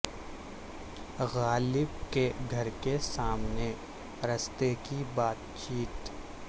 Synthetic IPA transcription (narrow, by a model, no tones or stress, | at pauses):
ɣaːlɪbkeɡʱɐɾkesaːmne | ɾɐst̪ekibaːt̪t͡ʃiːt̪